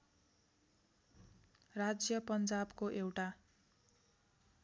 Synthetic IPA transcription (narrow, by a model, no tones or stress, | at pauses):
rad͡zjʌpʌnd͡zabkoʔewʈa